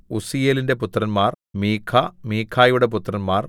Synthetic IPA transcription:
usijeːlinde̞put̪ːrɐnmaːr | miːkʰːamiːkʰːaːjuɽe̞p̬ut̪ːrɐnmaːr

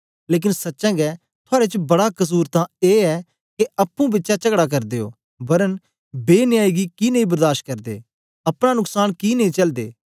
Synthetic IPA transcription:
leːk̬ɪnsɐtːʃɛ̃ːɡɛː | t̪ʰʊaːɾet͡ʃbɐɽakɐs̬uːɾt̪ãeːɛː | keɐpːũbɪtːʃat͡ʃəkɽaːk̬ɐɾd̪eːo̰ː | bɐɾən | beːnɪjaːiːɡikinɐĩbəɾd̪aːɾʃ̚kɐɾd̪ḛː | ɐpɽ̃ãːnʊksaːnkiːnəĩːt͡ʃɐld̪ḛː

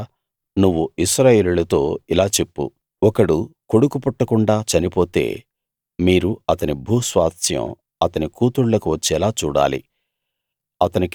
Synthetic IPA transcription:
nuʋːuiʃɾaːje̞ːlulɐt̪o̞ːilaːt͡ʃe̞pːṵ | ɔkɐɽuko̞ɽukupuʈːɐkuɳɖaːt͡ʃɐnipo̞ːt̪e̞̰ː | miːɾuɐt̪ɐnibʱuːsʋaːt̪ʰjɐ̰̃m | ɐt̪ɐnikuːt̪uɽlɐkuʋɐt͡ʃːɛlaːt͡ʃuːɽa̰ːlḭ | ɐt̪ɐnik

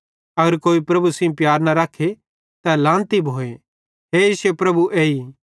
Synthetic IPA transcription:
ɐɡəɾkoːipɾɐbusẽpjaːɾnaɾakʰːe | t̪alãːnt̪ibʱoːe | ɦeːjiːsepɾɐbuʔeːi

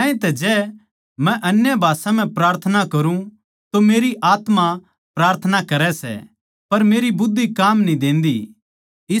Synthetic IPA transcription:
ãːĩt̪ɛd͡ʒɛː | mɛ̃ʔɐnjabʱaːsãm̤ɛ̃pɾaːɾt̪ʰənakɐɾũ | t̪omeːɾiʔaːt̪ma | pɾaːɾt̪ʰənakɐɾɛsɛ̰ | pɐɾmeːɾibʊd̪ːikaːmnĩd̪ẽːnd̪i | ɪ

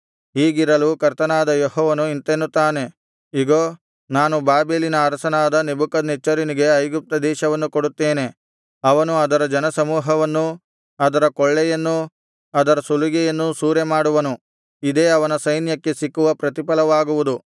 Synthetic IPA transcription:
ɦiːɡiɾɐlukɐɾt̪ɐnaːd̪ɐjoɦɔːʋɐnuint̪enːut̪ːaːne̞ | iɡoː | naːnubaːbeːlinɐːɾɐsɐnaːd̪ɐnebukɐd̪net͡ʃːɐɾiniɡe̞ɐjɡup̚t̪ɐd̪ɛːʃɐʋɐnːukoɽut̪ːeːne̞ | ɐʋɐnuɐd̪ɐɾɐd͡ʒɐnɐsɐmuːɦɐʋɐnːu | ɐd̪ɐɾɐkɔɭːɛjɐnːu | ɐd̪ɐɾɐsuluɡɛjɐnːusuːɾemaːɽuʋɐnu | id̪e̞ːɐʋɐnɐsɐjnjɐkːe̞sikːuʋɐpɾɐt̪ipɐlɐʋaːɡuʋud̪u

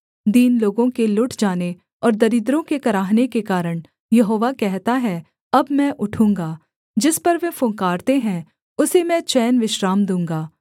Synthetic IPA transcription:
d̪iːnloːɡõkelʊʈʰd͡ʒaːne | ɔːɾd̪ɐɾɪd̪ɾõkekɐɾaːɦnekekaːɾəɽ̃ | jɐɦoːʋakɛɦt̪aɦɛ | ɐbmɛ̃ʔʊʈʰũːŋɡaː | d͡ʒɪspɐɾʋẽfʊ̃ŋkaːɾt̪eɦɛ̃ | ʊsemɛ̃t͡ʃɛːnʋɪʃɾaːmd̪ũːŋɡaː

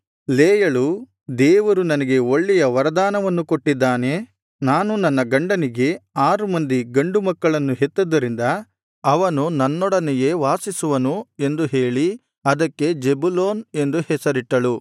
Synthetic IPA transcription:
leːjɐɭu | d̪ɛːʋɐɾunɐnɐɡe̞o̞ɭːɛjɐʋɐɾɐd̪aːnɐʋɐnːuko̞ʈːid̪ːaːne | naːnunɐnːɐɡɐɳɖɐniɡe̞aːɾumɐnd̪iɡɐɳɖumɐkːɐɭɐnːuɦet̪ːud̪ːɐɾind̪ɐː | ʋɐnunɐnːɔɽɐnɛje̞ːʋaːsisuʋɐnue̞nd̪uɦe̞ːɭi | ɐd̪ɐkːe̞d͡ʒebuloːne̞nd̪uhɛsɐɾiʈːɐɭu

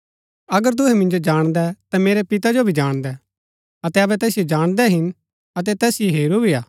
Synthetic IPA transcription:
ɐɡəɾt̪̬ʊɦɛmɪ̃nd͡ʒod͡ʒaːɽ̃d̪ɛt̪ameːɾɛpɪt̪ad͡ʒobʱid͡ʒaːɽ̃d̪ɛ | ɐt̪ɛɐbɛt̪ɛːsijod͡ʒaːɽ̃d̪ɛɦɪn | ɐt̪̬ɛt̪ɛːsjoɦeːɾubʱiaː

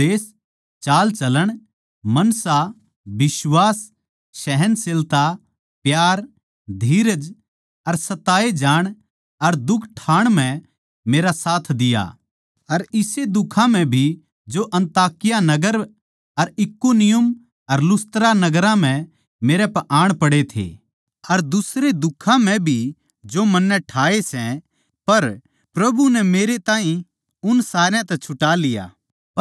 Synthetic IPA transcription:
eːs | t͡ʃaːlt͡ʃɐləɽ̃ | mɐnsa | bɪswaːs | ʃɛɦɛnsɪlt̪a | pjaːɾ | d̪ʱiːɾəd͡ʒ | ɐɾsɐt̪aːed͡ʒaːɽ̃ | ɐɾd̪ʊkʰʈʰaːɽ̃m̤ɛ̃ | meːɾasaːt̪ʰd̪ɪja̰ | ɐɾɪsed̪ʊkʰãm̤ɛ̃bʱi | d͡ʒoʔɐ̃nt̪aːkɪjanɐɡəɾ | ɐɾɪkːonɪjʊm | ɐɾlʊst̪ɾanɐɡəɾãm̤ɛ̃ | meːɾɛpɐʔaːɽ̃pɐɽet̪ʰḛː | ɐɾd̪ʊsɾed̪ʊkʰãm̤ɛ̃bʱi | d͡ʒomɐnːɛʈʰaːesɛ̃ | pɐɾ | pɾɐbunɛmeːɾet̪ãːɦĩ | ʊnsaːɾjãt̪ɛt͡ʃʰʊʈalɪja̰ː

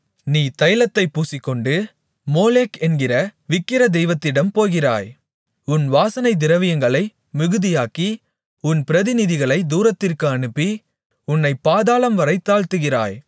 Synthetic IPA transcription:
niːt̪ɐjlɐt̪ːɐɪpːuːsɪkːɔɳɖɯ | moːleːkɛnɡɪrɐʋɪkːɪɾɐd̪ɛjʋɐt̪ːɪɽɐmpoːjɣɪra̰ːj | ʊnʋaːsɐnɐɪd̪ɪɾɐʋɪjɐŋɡɐɭɐɪ | mɪɣɯðɪjaːki | ʊnpɪɾɐðɪnɪðɪɣɐɭɐɪd̪uːɾɐt̪ːɪrkɯɐnɯpːi | ʊnːɐɪpːaːðaːlɐmʋɐɾɐɪt̪ːaːɭt̪ɯɣɪra̰ːj

